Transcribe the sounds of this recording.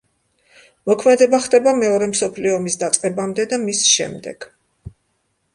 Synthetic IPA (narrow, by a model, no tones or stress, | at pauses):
mɔkʰmɛd̪ɛbaχd̪ʼɛbamɛɔɾɛmsɔpʰliɔmisd̪at̪sʼqʼɛbamd̪ɛd̪amisʃɛ̰md̪ɛ̰ɡ̥